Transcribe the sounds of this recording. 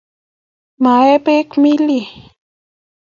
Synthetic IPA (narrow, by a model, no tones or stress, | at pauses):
maepekmili